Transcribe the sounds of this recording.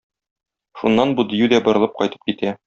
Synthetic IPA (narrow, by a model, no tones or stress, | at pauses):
ʃunːɑnbud̪ɘ̆jʉd̪æbŏɾɤ̆lˠɤp̚qɒjt̪ɤ̥p̚kit̪æ